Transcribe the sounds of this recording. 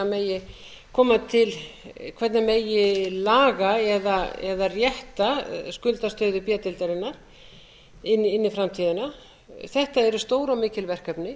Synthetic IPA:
amejɪ | kʰɔːmat̪ʰɪlkʰvɛt̪nameːjɪlaːɣaɛðaɛ̰ðarjɛht̪askʏlt̪ast̪œɥðʏpjɛːt̪ɪlt̪aɾɪnːaɾ̥ | ɪnːɪnːɪfɾamt̪ʰiːðɪna | θɛht̪aɛɾʏst̪oːwɾɔwmɪːcɪlvɛr̥kœpnɪ

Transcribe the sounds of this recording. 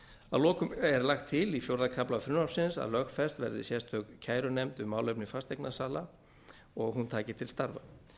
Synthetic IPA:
a̰ðlɔːkʏmɛɾlaxt̪ʰːɪlifjowɾðakʰaplafɾʏnapsɪnsa̰ðlœxfɛst̪vɛ̰ɾðɪ̰sjɛst̪œkcʰaːjɾʏnejmt̪ʏmːaːwlœɥpnɪfast̪ejknasaːla | ɔɣɦunt̪ʰaːcɪt̪ʰɪlst̪aɾva̰

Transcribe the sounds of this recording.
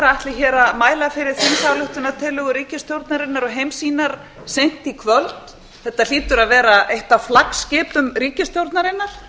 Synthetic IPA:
ɾaht̪lɪçɛːɾaðmaːjlafɪɾɪɾ̥θɪnsaːwlʏht̪ʏnat̪ʰɪlʏɣʏɾiːcɪst̪jowɾt̪naɾɪnːaɾɔɣɦejmsiːnaɾ̥ | sejn̥t̪ikʰvœlt̪ | θɛht̪ːal̥iːt̪ʏɾaðvɛːɾaʔejht̪awflakscɪːpʏmriːcɪst̪jowɾt̪naɾɪnːaɾ̥

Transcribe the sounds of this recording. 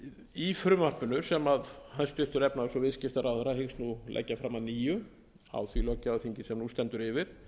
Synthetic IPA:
ifɾʏmar̥pʏnʏsɛmaðhanst̪ʏht̪ʏɾɛpnaðsɔvɪðscɪft̪aɾawθɛɾːahɪxsnulɛ̰cːafɾaːmaðniːjʏ | a̰wθvilœcːawθiɲcɪsɛmnust̪ɛnt̪ʏɾɪvɪɾ̥

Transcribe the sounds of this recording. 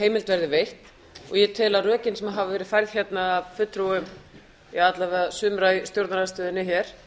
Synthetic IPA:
heːjmɪlt̪vɛɾðɪvejht̪ | ɔ̰ɣjɛt̪ʰɪːlarœːcɪnsɛmaɦavɪvɛːɾɪðfajɾð̥çjɛt̪naːvfʏt̪ːɾuwʏm | iat̪lavɛðasʏmɾajst̪jowɾt̪naɾast̪œːðɪnːɪçɛɾ̥

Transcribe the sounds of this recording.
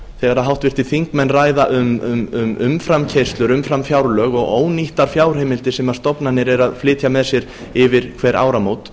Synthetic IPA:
θɛɣaɾaðɦawht̪vɪr̥t̪iθiŋkmɛnːraːjðaʔʏmʏmʏmʏ̰mfɾamcʰejst̪lʏɾʏmfɾamfjawɾlœːɣɔɣo̰ːwniht̪aɾ̥fjaːwr̥hejmɪlt̪ɪsɛmaɾ̥st̪ɔpnanːɪɾɛɾaðflɪːt̪ʰjamɛðsjɛɾ | ɪvɪɾ̥kʰvɛːɾʔa̰ːwɾamoːwt̪

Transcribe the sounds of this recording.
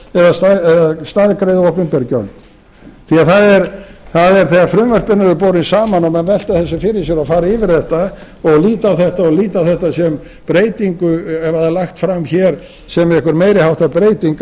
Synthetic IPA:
ɛðast̪aɛðast̪aðkɾejðɔhpʏmpɛɾcœ̰lt̪ | θiaðθaðɛɾθaðɛɾ̥θɛɣafɾʏːmœr̥spɪnːaɾʏpowɾɪnsaːmanɔmɛnvɛl̥t̪aθɛsːʏfɪɾɪsjɛɾafaːɾaɪvɪɾ̥θɛht̪a | ɔɣliːt̪awθɛht̪aɔɣliːt̪awθɛht̪asɛm | pɾeːjt̪iŋkʏɛvaðɛlaxt̪fɾamçɛɾ | sɛmɛhkʏɾmeːjɾɪhawht̪aðpɾeːjt̪iŋk

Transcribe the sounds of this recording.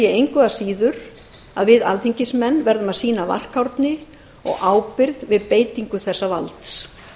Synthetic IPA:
jɛejŋkvɛðasiːðʏɾ | a̰ðvɪða̰lθiɲcɪsmɛnːvɛɾðʏmaðsiːnava̰r̥kawɾt̪nɪ | ɔ̰ɣʔaːwpɪɾðvɪðpeːjt̪iŋkʏθɛsːava̰lt̪s

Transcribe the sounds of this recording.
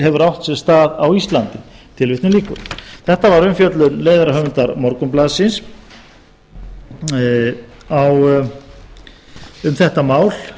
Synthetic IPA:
hɛvʏɾawht̪sɛɾ̥st̪aːðawist̪lant̪ɪt̪ʰɪlvɪht̪nɪliːkʏ̰ɾθɛht̪avaɾʏmfjœt̪lʏnleːjðaɾaɦœːvʏnt̪aɾmɔɾkʏmplaðsɪns | aw | ʏmθɛht̪amaːwl̥

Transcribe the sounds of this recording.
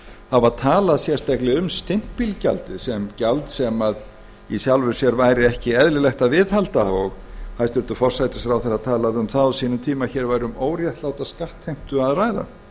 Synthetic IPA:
havaðt̪ʰaːlaðsjɛ̥t̪ajklɪʏmst̪ɪm̥tpilca̰lt̪ɪsɛmcalt̪sɛmað | isjawlvʏ̥sjɛɾvaːjɾɪɛhcɪɛðlɪlɛxt̪aðvɪðhalt̪aɔɣ | hajst̪ʏɾlt̪ʏfɔr̥sajt̪ɪsθɾawθɛsaðt̪ʰaːlaðʏmθaðɔsiːnʏt̪ʰiːmaçɛːɾvaːjɾʏmoːwɾjaht̪laːwt̪askaht̪hejm̥t̪ʏaðraːjða̰

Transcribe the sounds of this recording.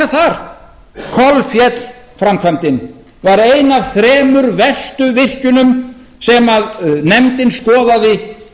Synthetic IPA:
aθaɾ̥ | kʰɔlfjɛt̪l | fɾamkʰvamt̪ɪn | vaɾejnav̥θɾɛːmʏɾvɛst̪ʏvɪr̥cʏnʏm | sɛmaðnɛmt̪ɪnskɔːðaðɪ

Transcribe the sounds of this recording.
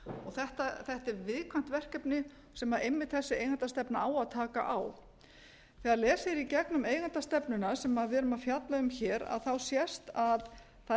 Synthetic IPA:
ɔɣθɛht̪aθɛht̪ɛɾvɪðkʰvam̥t̪vɛr̥cɛpnɪ | sɛmaðejmːɪt̪θɛsːɪeːjɣant̪ast̪ɛpnaaːwaðt̪ʰaːka̰ʔaw | θɛaɾlɛːsɪɾicɛknʏmeːjɣant̪ast̪ɛpnʏnasɛmaðvɛːɾʏmaðfjat̪laðʏmçɛːɾa̰ðθawsjɛst̪að | θa

